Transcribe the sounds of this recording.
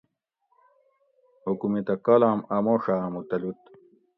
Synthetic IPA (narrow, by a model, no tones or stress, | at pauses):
hukumit̪ɐkɐlaːmɐmoʂaːmut̪ɐlut̪